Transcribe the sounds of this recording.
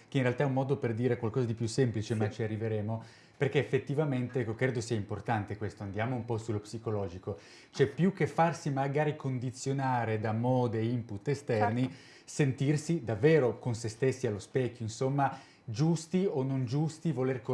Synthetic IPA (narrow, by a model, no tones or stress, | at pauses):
keinrealt̪aɛumːɔːd̪operd̪iːɾekwalkɔːzad̪ipjusemplit͡ʃemat͡ʃiarːiveɾeːmo | perkeːfːet̪ːivament̪eɛkːokɾeːd̪osiːaimport̪ant̪ekwest̪oand̪jaːmoumpɔsulːopsikolɔːd͡ʒiko | t͡ʃɛpjukːefːarsimaɡaːɾikond̪it̪sːjonaːɾed̪amɔːd̪eimput̪ːest̪ɛrni | sent̪irsid̪avːeːɾokonsest̪esːialːospɛkʲːoinsomːa | d͡ʒust̪ionːond͡ʒust̪ivolerko